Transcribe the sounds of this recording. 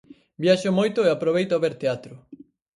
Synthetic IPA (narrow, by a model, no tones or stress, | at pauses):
bjaʃomojt̪ʊeapɾoβejt̪oβeɾt̪eat̪ɾʊ